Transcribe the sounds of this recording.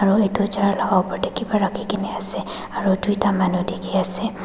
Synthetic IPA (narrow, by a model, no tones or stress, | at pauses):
aɹuejtut͡ʃaɹlɔɡawpɔɹdekibɔɹakʰikinɛasɛ | aɹudujtamanudikʰiasɛ